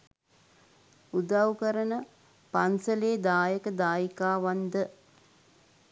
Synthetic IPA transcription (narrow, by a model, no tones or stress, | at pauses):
ud̪awkəɾənə | pansəleːd̪aːjəkəd̪aːjikaːʋand̪ə